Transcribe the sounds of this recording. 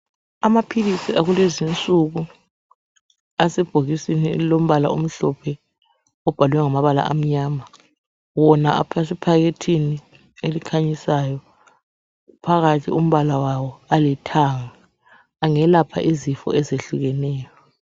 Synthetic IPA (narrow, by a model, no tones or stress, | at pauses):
amapʰilisiʔaɣulezint͡sʼuɣu | asɛb̥ʱoɣisinilom̩βala̰om̩ɬɔpʰɛ | ɔb̥ʱaluwɛŋamaβala̰ʔa̰m̩ɲaːma | wɔna̰a̰pʰasipʰaɣetʰini | elikʰaɲisajɔ | pʰaɣatʰḭum̩βalawawɔalɛtʰaŋaː | ŋɛlapʰa̰ʔizifɔ̰ʔɛzeɬuɣɛnɛːjɔ